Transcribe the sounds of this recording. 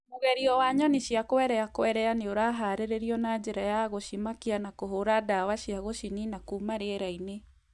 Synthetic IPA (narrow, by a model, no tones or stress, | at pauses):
moɣɛɾiɔwaɲɔniɕiakoɛɾɛakoɛɾɛaneoɾaɦaːɾeɾeɾiɔnad͡ʑeɾajaɣoɕimakianakoɦoɾadawaɕiaɣoʃininakumaɾeeɾaine